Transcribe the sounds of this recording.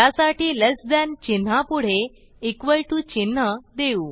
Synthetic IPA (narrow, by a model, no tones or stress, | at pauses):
asaʈiːlesd̪ɛnt͡ɕin̤apuɽ̤e | ikʋəɭʈut͡ɕin̤ːəd̪euː